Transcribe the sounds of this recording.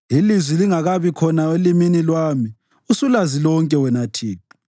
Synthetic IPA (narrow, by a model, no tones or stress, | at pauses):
ilizwiliŋaɣaβikʰɔnaweliminilwaːmi | usulazilɔŋkʼɛwɛnatʰiːpʰi̥